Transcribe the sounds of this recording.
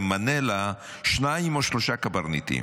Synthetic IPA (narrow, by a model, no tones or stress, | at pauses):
mːanela | ʃnajimoʃloʃakabaʁnit̪ḭ